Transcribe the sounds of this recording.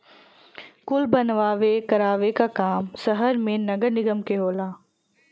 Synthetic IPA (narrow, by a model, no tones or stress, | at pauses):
kʊlbɐnʋaːʋekɐɾaːʋekakaːmsɐɦəɾmẽnɐɡəɾnɪɡəmkeɦoːlaː